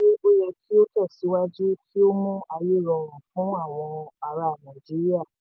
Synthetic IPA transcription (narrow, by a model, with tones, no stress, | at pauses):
e˦o˦jɛ˧kʰi˦o˦tɛ˦˨si˨˦wa˦d͡ʒu˦kʰi˦o˦mũ˦a˧je˦˨ɾɔ˧˨ɾ̃ũ˨fũ˨˦a˦˨w̃ɔ̃˧a˨ɾa˨nã˨d͡ʒi˨˦ɾi˦a˦˨